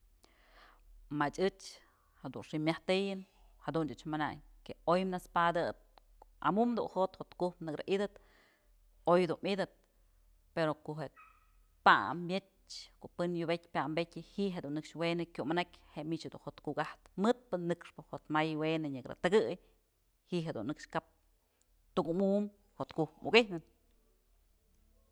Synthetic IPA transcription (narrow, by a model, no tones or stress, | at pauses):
mat͡ʃɨt͡ʃ | had̪ṵnʂimʲjaht̪ɨjɨn | had̪unɨt͡ʃmana̰ɲ | keojmnaspad̪ɨt̪̚ | oa̰mumd̪ṵnhot̪hot̪kuhpnɨkɾa̰ʔid̪ɨt̪ | ojhad̪unʔid̪ɨt̪̚ | peɾokoʔɦe | pa̰mbjet͡ʃ | koʔpɨnjubekʲpʲaʔmbekʲɨhiʔɦed̪unːɨkʂwenɨkʲumanakʲheʔmit͡ʃhed̪ṵnhot̪kukaht̪mɨt̪̚pɨnːɨkʂpɨhot̪majwenɨɲɨkɾɨ̰t̪ɨɡɨj | hiʔɦed̪ṵnːɨkʂkap̚ | t̪ukumum | hot̪kuhpmṵkihnɨn